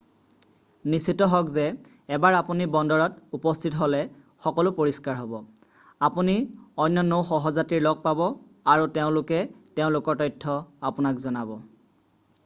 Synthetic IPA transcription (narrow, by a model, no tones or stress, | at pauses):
nisitɔɦɔkzɛː | baɹapunibɔndɔɹɔtupɔstʰitɦolɛ | xɔkɔlʊpoɹiskaɹɦɔbɔ | apuniɔjnːjɔnowxɔɦɔzatiɹlɔɡ̚pabɔ | aɹuteʊ̃lʊkɛteʊ̃lʊkɔɹtɔjtʰːɔapunakzɔnabɔ